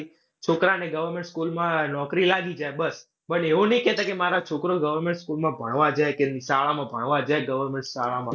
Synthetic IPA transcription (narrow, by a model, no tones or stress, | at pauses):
t͡ʃʰokɾaneɡəʋəɾmẽɳʈskulmãnɔkɾilaɡid͡ʒaebəs | pəneʋonəɦĩkɛt̪akemaɾat͡ʃʰokɾoɡəʋəɾmẽɳʈskulmãbʱəɽ̃ʋad͡ʒajkenisaɭamãbʱəɽ̃ʋad͡ʒajɡəʋəɾmeɳʈsaɭamã